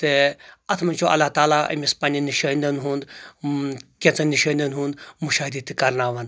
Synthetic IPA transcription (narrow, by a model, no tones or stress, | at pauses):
t̪eɐt̪ʰmɐnʲt͡ʃʰoɐ̰lːat̪aːlaɐ̰mʲispaːnʲiniʃɐːnd̪ɐnɦund̪ | kʲẽt͡sɐniʃɐːnd̪ɐnɦũːnd̪muʃaːid̪it̪kɐɾnaːʋɐn